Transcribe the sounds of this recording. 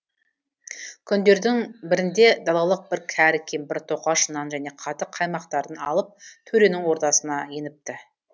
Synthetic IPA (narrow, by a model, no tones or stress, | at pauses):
kʲʰʏnd̪e̞ɾd̪ɪŋbɪɾɪnd̪e̞d̪ɑlˠɑlˠəq̚bɪɾkʲʰæɾkʲʰenbɪɾt̪ʰo̞qɑʃənɑnʒæne̞qʰɑt̪əqʰːɑjmɑqt̪ɑɾənɑ̰lˠəp̚t̪ʰɵɾe̞nɪŋwo̞ɾt̪ɑsənɑje̞nɪp̚t̪ɪ